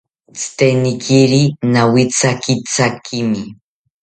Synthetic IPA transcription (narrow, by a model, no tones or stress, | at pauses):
t͡st̪enikʰiɾinawit͡sakit͡sakʰimi